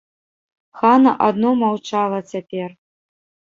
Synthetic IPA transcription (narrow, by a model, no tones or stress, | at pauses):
xanɐʔad̪nomawt͡ʃalˠɐt͡sʲapʲer